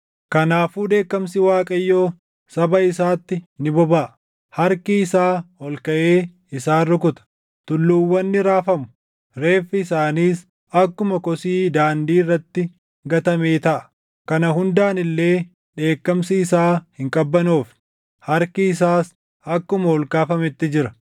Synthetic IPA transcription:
kɐnaːfuːd̪e̞ːkːɐmsɪwaːkʼɐjːo̞ː | sɐbɐɪsaːt̪ːɪnɪbɔbaːʔɐ | hɐɾkɪɪsaːhɔlkɐʔe̞ː | ɪsaːrʊkʊt̪ɐ̥ | t̪ʊlːuːwːɐnːɪɾaːfɐmʊ̥ | ɾe̞ːfːɪːsaːniːs | ɐkːʊmɐkɔsiːd̪aːnd̪iːrːɐt̪ːɪ | ɡɐt̪ɐme̞ːt̪ɐʔɐ̥ | kɐnɐɦʊnd̪aːnɪlːe̞ː | ᶑe̞ːkːɐmsɪːsaːhɪŋkʼɐbːɐnuːf | hɐɾkɪɪs̬aːs | ɐkːʊmɐhɔlkaːfɐmɪt̪ːɪd͡ʒɪɾɐ̥

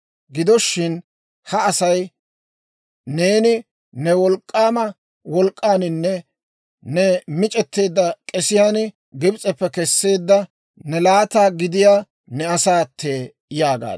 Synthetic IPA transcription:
ɡɪd̪ɔʃːɪn | hɐːsɐj | ne̞ːnɪ | nɛwɔlkʼːaːmɐ | wɔlkʼːaːnɪnːɛ | nɛmɪt͡ʃʼɛt̪ːe̞ːd̪ːɐkʼɛsɪjaːnɪ | ɡɪbt͡sʼɛpːɛkɛsːe̞ːd̪ːɐ | nɛlaːt̪aːɡɪd̪ɪjaː | nɛɐsaːt̪ʰːe̞ː | jaːɡa̰ː

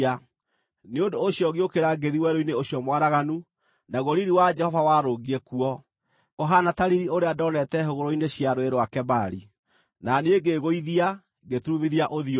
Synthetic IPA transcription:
a | neondoːɕiɔɣiokeɾaɡeðiwɛɾoineoɕjɔmwaɾaɣanu | naɣoɾiɾiwad͡ʒɛhɔvawaɾoɣiɛkuɔ | ɔɦanataɾiɾioɾeadɔnɛtɛɦoɣoɾoineɕiaɾoeɾwakɛbaɾi | naneeɡeɣoiðia | ɡetumiðiaʔoðio

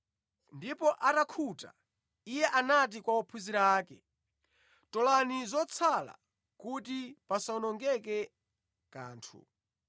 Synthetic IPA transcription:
ndipɔʔatakʰuta | ijɛʔanat̬ikwaɔpʰuziɾaaːkɛ | tɔlanizɔt͡sʰala̰ | kutipasaɔnɔŋɡɛkɛ | ka̰ːntʰṵ

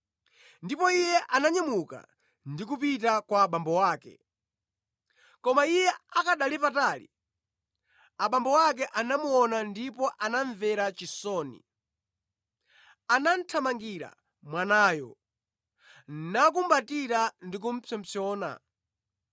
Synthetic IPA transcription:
ndipɔijɛʔanaɲamuka̰ | ndik̬upitakwaɓambɔwaːkɛ̰ | kɔmaijɛakaɗalipataːlḭ | aɓambɔwak̬ɛʔanamuɔnandipɔʔanaɱvɛɾat͡ʃisɔːnḭ | anan̩tʰamaŋɡiɾa̰ | mwanaːjɔ | nak̬umbatiɾandik̬um̩pʰɛm̩sɔːna̰

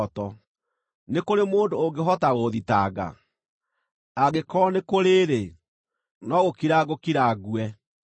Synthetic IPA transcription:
tɔ | nekoɾemoːndoːŋɡeɦɔtaɣoðitaɡa̰ | aɣekɔnekoɾeɾe | nɔɣokiɾaɣokiɾaɣwɛ

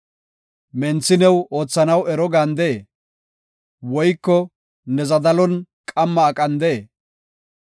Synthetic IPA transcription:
mɛnt͡sːɪnɛwoːt͡sːɐnɐwɛɾɔɡɐnd̪ɛ | wɔjkːɔ | nɛzɐd̪ɐlɔn | kʼɐmːɐːkʼɐnd̪ɛe

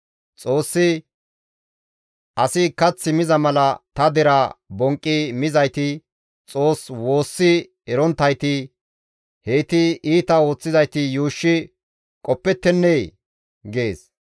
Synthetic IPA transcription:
t͡sʼo̞ːsːɪ | ʔɐsɪkɐt͡sːɪmɪzɐmɐlɐt̪ɐd̪ɛɾɐbɔŋkʼːɪmɪzɐjt̪ɪ | t͡sʼo̞ːswo̞ːsːɪ | ɛɾɔnt̪ːɐjt̪ɪ | heːt̪ɪiːt̪ɐo̞ːt͡sːɪzɐjt̪ɪjuːʃːɪ | kʼɔpːɛt̪ːɛnːej | ɡe̞ːs

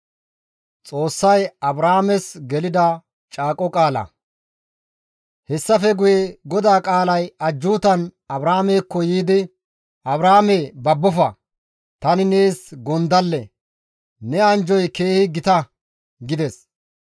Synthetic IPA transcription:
t͡sʼo̞ːsːɐjɐbɾaːmɛsɡɛlɪd̪ɐ | t͡ʃʼaːkʼɔkʼaːlɐ̰ | hɛsːɐfɛɡʊjeɛɡɔd̪aːkʼaːlɐjɐd͡ʒːuːt̪ɐnɐbɾaːmeːkːɔjiːd̪ɪ | ɐbɾaːmeːbɐbːɔfɐ | t̪ɐnɪneːsɡɔnd̪ɐlːɛ | nɛɐnd͡ʒɔjke̞ːhɪɡɪt̪ɐ | ɡɪd̪ɛs

